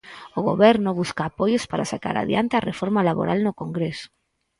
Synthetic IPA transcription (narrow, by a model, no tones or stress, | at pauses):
ʊɣo̰βɛɾnʊβuskaːpojʊspaɾasaka̰ɾa̰ðja̰nt̪earefɔɾmalaβo̰ɾʔalnʊkoŋɡɾesʊ̥